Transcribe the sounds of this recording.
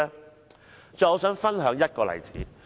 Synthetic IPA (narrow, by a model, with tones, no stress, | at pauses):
t͡sɔː˨ɔː˨˧˥sœː˨˥ŋfɐ˥nɦœː˨˥ŋjɐ˥t̚kɔː˧lɐ̰˨˩jt͡siː˨˥